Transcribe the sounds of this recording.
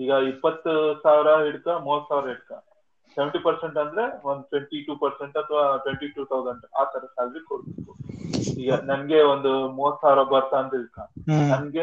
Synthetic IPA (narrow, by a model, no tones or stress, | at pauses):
iːɡɐipːɐt̪ːusaːʋiɾɐiɽukɐmuːʋɐt̪ːsaːʋɪɾɐiɽkɐ | seʋeɳʈipɐɾseɳʈɐnd̪ɐɾe̞ond̪uʈʋeɳʈiʈuːpɐɾseɳʈɐt̪ʰɐʋaːʈʋeɳʈiʈuːt̪ʰɐwzɐɳɖaːt̪ɐɾɐsaːlʋikoɽbeːkuiːɡɐnɐnɡe̞ond̪umuːʋɐt̪ːsaːʋɪɾɐbɐɾt̪ɐːnd̪iɽkːanɐnɡe